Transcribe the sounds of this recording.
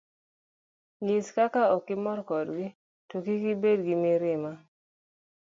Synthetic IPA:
ŋiskakaɔkːɪmɔrkɔdɡi | tokikibedɡimiɾɪma

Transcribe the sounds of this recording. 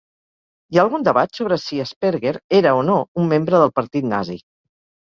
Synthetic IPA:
iaːlˠɣund̪əβat̪soβɾəsiəspeɾɣeɾeɾəonoumːembɾəðəlˠpəɾt̪it̪na̰zḭ

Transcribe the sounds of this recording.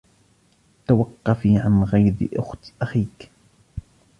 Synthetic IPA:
t̪awɑqːɑfiʕanɣajɾɪʔʊ̰xt̪ʔaxiːk

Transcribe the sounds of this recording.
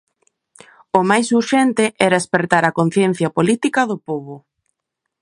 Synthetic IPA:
omajsuɾʃɛnt̪ɪʔɛɾaespeɾt̪aɾɐkon̟θjɛn̟θjɐpolit̪ikɐðʊpoβʊ

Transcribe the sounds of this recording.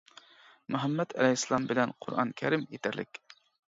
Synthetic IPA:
muɦɛmːɛt̪ʰɛ̰lɛɦsːɨlˠɑmbɪlɛnqʰʊɾʔɑ̰nkʲʰɛɾɪmjet̪ʰæɾlɪ̰kʲ

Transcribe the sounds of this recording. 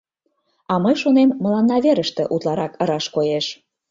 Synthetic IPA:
ɑməjʃonemːə̆lɑnːɑβeɾəʃt̪ĕʔut̪lɑɾɑkəɾɑʃkojeʃ

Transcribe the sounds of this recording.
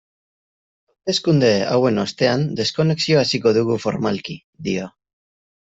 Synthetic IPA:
awt̪e̞skund̪e̞a̰we̞no̞st̪e̞and̪e̞sko̞ne̞ksio̞asiko̞ðuɣufo̞̰ɾmalki | d̪io

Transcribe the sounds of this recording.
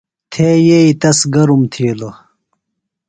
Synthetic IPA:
t̪ʰeːjeit̪ɐsɡɐɾumt̪ʰiːlo

